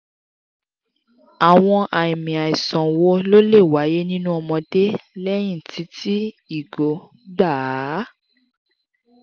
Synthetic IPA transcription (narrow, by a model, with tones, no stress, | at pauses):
a˨w̃ɔ̃˧ʔa˨ĩ˨mĩ˨a˨i˨sɔ̃˨wo˧lo˦le˦˨wa˨˦je˦nĩ˦nũ˦ɔ˧mɔ̃˧de˦lɛ˦j̃ĩ˦˨ti˨˦ti˦ | i˨ɡo˨˦ | ɡ͡ba˦˨˦